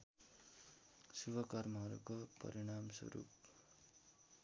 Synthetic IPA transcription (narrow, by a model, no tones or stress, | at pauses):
subʱʌkʌrmʌɦʌɾṵkopʌ̰ɾiɽ̃amsʌ̰ɾṵp